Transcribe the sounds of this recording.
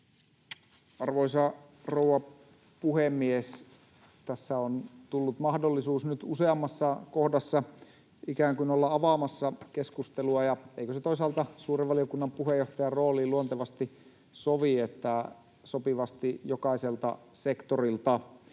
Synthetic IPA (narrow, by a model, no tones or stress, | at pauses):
ɑrʋoisɑ | rouwɑ | puhemːies | t̪æsːæont̪ulːut̪mɑhdolːisuːsnyt̪useɑmːɑsːɑkohdɑsːɑ | ikæːŋkynolːɑɑʋɑmɑsːɑkeskust̪eluɑjɑeikøset̪ois̬ɑːlt̪ɑsuːreʋʋɑliokunːɑmpuɦejoht̪ɑjɑroːliːluont̪eʋɑst̪i | soʋiet̪ːˑæ | sopiʋɑst̪ijokɑiselt̪ɑ̰sekt̪orilt̪ɑ